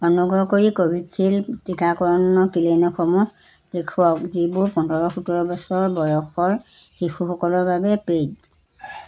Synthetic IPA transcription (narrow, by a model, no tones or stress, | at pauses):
ɔnuɡɹɔkoɹikobʱidsʰiltikakɔɹɔnɔkilenɔxɔmu | lekʰɔk̚zibʊɹpɔndɔɹɔxutɔɹɔbɔsɔɹbɔjɔxɔɹ | hixʰuxɔkɔlɔɹbabɛped̚